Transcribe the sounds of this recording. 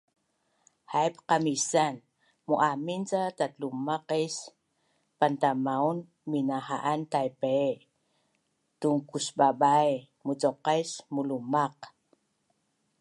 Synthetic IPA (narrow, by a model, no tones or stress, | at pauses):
hajpqamisan | muʔamint͡satat̪lumaqes | pant̪amaun | minahaʔant̪ajpe | tuŋkusbabaj | mut͡sɔqajsmulumaq